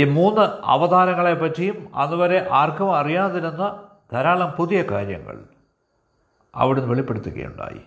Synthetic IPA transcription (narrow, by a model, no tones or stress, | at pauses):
imuːnːɨɐ̰ʋɐd̪ʱaːɾɐŋːɐɭepːɐtːejumɐ̰nːɨʋɐɾe̞ʔaːrkɐmɐrijaːðiɾunːɐ | d̪ʱɐɾaːɭɐmpuðijɐkaːɾjɐ̰ŋːɐ̰ɭ | ɐ̰ʋiɽenːuʋeɭipːe̞ɽut̪ːuɣɐ̰jṵɳɖa̰ːjḭ